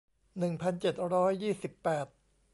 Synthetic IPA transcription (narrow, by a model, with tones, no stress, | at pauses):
nɯ˨˩ŋpʰa˧nt͡ɕe˨˩t̪̚ɾɔː˦˥jːiː˥˩si˨˩pːɛː˨˩t̪̚